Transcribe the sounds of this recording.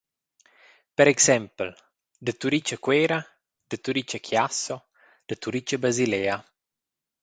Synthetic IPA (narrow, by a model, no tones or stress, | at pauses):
pɛɾɛksɛmpəl | d̪ət̪uɾit͡ʃəkwɛːɾa | d̪̥ət̪uɾit͡ʃəkʰjaso | d̪̥ət̪uɾit͡ʃəbɾazileːa